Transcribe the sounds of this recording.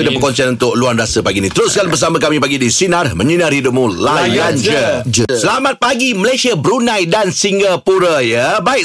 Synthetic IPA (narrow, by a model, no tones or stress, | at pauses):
idapəkɔnsianunt̪ʊk̚luanrasəpaɡinĩt̪əɾʊskanbərs̬amãkamipaɡidisinarmə̃ɲinarhiduʔ̚mũlajand͡ʒəsəlamat̪̚paɡiməlajsiabəɾunãjdansiŋɡapuɾajəbaɪk